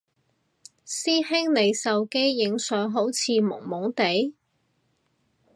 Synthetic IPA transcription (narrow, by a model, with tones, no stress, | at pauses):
siː˥hɪ˥ŋne˨˧jsɐ˨wke˥jːɪ˨˧ŋsœː˨˧ŋɦo˨˥wt͡sʰiː˨˧mʊ̰˨˩ŋmʊ˨˥ŋt̪e˨˥j